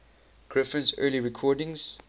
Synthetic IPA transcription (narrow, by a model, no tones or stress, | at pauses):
ɡ̥ɹɪfə̃nzɜːliɹɪkʰɔːdɪ̃ŋz̥